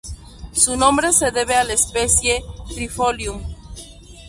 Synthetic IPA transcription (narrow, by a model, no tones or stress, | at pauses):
sunõmbɾe̞se̞ðeβealespesjet̪ɾifoljum